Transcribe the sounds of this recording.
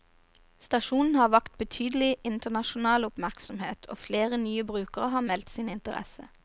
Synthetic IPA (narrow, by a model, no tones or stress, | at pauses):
st̪ɑʃuːnn̩hɑːʋɑkt̪̚bət̪ʰyːd̪əl̩ɪʔɪnt̪ənɑʃʊn̩ɑːlʊpmæʁksɔmhḛːt̪ʰo̰ːfleːʁənyːəbʁʉːkəʁəhɑːmɛlt̪siːnɪnt̪əʁɛ̰sə